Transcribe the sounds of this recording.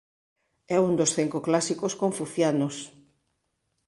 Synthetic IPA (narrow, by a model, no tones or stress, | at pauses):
ɛund̪osθiŋkoklasikoskoɱfuθjanos